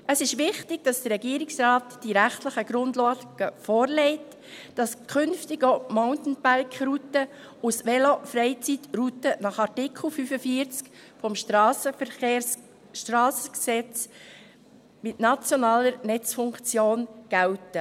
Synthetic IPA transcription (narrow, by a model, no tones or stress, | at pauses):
əsɪʃʋɪχtɪɡ̥̚d̥ɑsd̥əɾɛɡiːɾɪksɾɑːtd̥iɾæχtləχəɡ̥ɾʊndlɑːɡ̥əfɔːɾlɛɪt | d̥ɑskʰʏnftɪɡoʊmaʊntn̩bæɾkχɾutə | usʋɛlofɾɛɪt͡sitrutənɑχɑɾtɪkʰl̩ˠfyfəfiəɾt͡skfɔmʃtːsəfe | tɾɑːsəksɛt͡s | mɪtnɑt͡sjonɑːləɾnɛt͡sfʊŋkt͡sjoːnɡ̥æltə